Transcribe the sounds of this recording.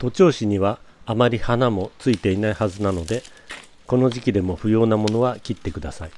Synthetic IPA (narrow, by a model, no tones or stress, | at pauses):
t̪o̞t͡ɕo̞ːɕiɲ̟iβaːmaɾʲihanamo̞t͡sɨit̪e̞inaihazɨnano̞d̪e̞ | ko̞no̞ʑikʲid̪e̞mo̞ɸɯ̟jo̞ːnamo̞no̞βakʲit̪ːe̞kɯ̟d̪asai